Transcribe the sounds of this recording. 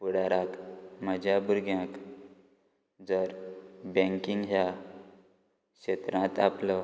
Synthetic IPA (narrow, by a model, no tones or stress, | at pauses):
puɽaɾakməd͡ʑʱjabuɾɡjãk | d͡zəɾbɛ̃ŋkiŋɡɦja | kɕet̪ɾãt̪aplɔ